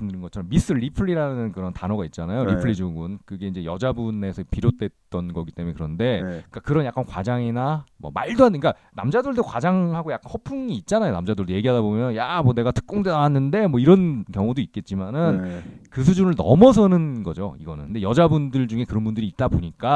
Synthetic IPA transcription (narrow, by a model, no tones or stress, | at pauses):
dɾɯnŋɡʌt͡ɕʰʌɾʌmːis͈ɯɭːipʰɯɭiɾanɯnkɯɾʌntanʌɡait̚t͡ɕ͈anajoɾipʰɯɭːid͡ʑoɡunkɯɡe̞ind͡ʑe̞jʌd͡ʑabune̞sʰʌpiɾjot͈e̞t̚t͈ʌnɡʌɡit͈emuekɯɾʌnde̞kakɯɾʌnjak͈ankwa̰d͡ʑaŋinamwʌ̰maɭdoaik͈a | na̰md͡ʑadɯɭdokwad͡ʑaŋhaɡojak͈anhʌpʰuŋiːt̚t͡ɕ͈anajonamd͡ʑadɯɭdoje̞ɡiɦadabomjʌnjamwʌne̞ɡatɯ̥k̚k͈oŋdenawanːɯnde̞mwʌiɾʌnkjʌŋodoit̚k͈e̞t̚t͡ɕ͈imanɯnkɯs̬ʰud͡ʑunɯɭnʌ̰mʌsʰʌnɯnɡʌ̰d͡ʑo̰ḭɡʌnɯ̰nkɯnde̞jʌd͡ʑabundɯɭd͡ʑuŋe̞kɯɾʌnbundɯɾiːt̚t͈aboɲik͈a